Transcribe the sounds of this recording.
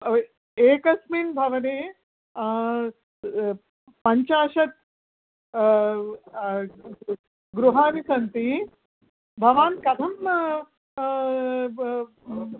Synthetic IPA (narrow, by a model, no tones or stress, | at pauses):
eːkɐsmiːnbʱɐʋɐneː | pɐɲt͡ʃaːʃɐt̪̚ | ɡɾuɦaːnisɐnt̪i | bʱɐʋaːnkɐd̪ʱɐm